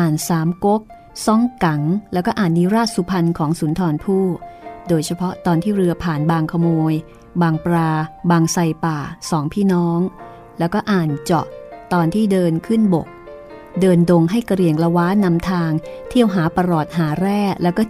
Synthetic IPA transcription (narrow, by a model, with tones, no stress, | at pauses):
ʔaː˨˩nsaː˩˦mko˦˥k̚ | sɔ˦˥˩ŋka˩˦ŋlɛː˦˥wkɔː˥˩ʔaː˨˩nːiː˦˥ɾaː˥˩t̪̚su˧˦pʰa˧nkʰɔː˩˦ŋsuː˩˦nt̪ʰɔː˧npʰuː˥˩doː˧jt͡ɕʰa˧pʰɔ˦˥t̪ɔː˧nt̪ʰiː˥˩ɾɯ˧ɐpʰaː˨˩nbaː˧ŋkʰa˧moː˧j | baː˧ŋpɾaː˧baː˧ŋsa˧jpaː˨˩sɔː˩˦ŋpʰiː˥˩nɔː˦˥ŋ | lɛː˦˥wkɔː˥˩ʔaː˨˩nt͡ɕɔ̰˨˩t̪ɔː˧nt̪ʰiː˥˩dɤː˧nkʰɯ˥˩nbo˨˩k̚ | dɤː˧ndo˧ŋɦa˥˩jka˧ɾi˧˩əŋla˧waː˦˥nːa˧mt̪ʰaː˧ŋt̪ʰi˥˩əwɦaː˩˦pa˧ɾɔː˨˩t̪̚ɦaː˩˦ɾɛː˥˩lɛː˦˥wkɔː˥˩